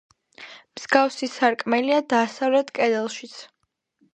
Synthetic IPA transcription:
mz̥ɡafsisaɾkʼmɛliad̪asavlɛt̪ʰkʼɛd̪ɛlˠʃit̪sʰ

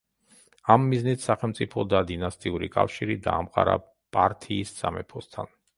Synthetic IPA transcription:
amːiznit̪ʰsaχɛlˠmt̪sʼipʰɔd̪ad̪inast̪ʼiuɾikʼafʃiɾid̪aːmqʼaɾa | pʼaɾt̪ʰiːssamɛpʰɔst̪ʰan

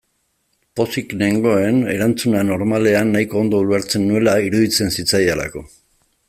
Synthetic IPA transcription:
po̞sikne̞ŋɡo̞e̞ne̞ɾant͡sunano̞ɾmale̞anːaiko̞ːnd̪o̞uleɾt͡se̞nːue̞laiɾuðit͡se̞nsit͡sajala̰ko̞

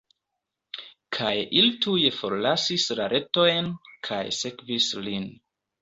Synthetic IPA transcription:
kʰajʔilituje̞fo̞ɾlasislaɾʔe̞to̞jnkʰa̰jse̞kvislin

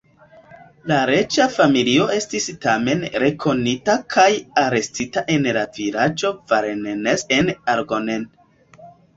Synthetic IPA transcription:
laɾe̞t͡ʃafamilio̞e̞stistame̞nɾe̞kʰo̞nitakʰajaɾe̞stitaʔe̞nlaviɾad͡ʒo̞vaɾenenesenaɾɡonen

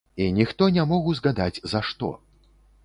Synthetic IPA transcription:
inʲixt̪ɔnʲamɔɣuzɣad̪ad͡zʲzɐʂt̪ɔ̰

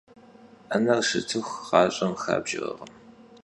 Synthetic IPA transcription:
anɐrʂɨ̰tʰɨxʷqɑːɕʼɐmxa̰ːbʒɪʁɐ̰ʁəm

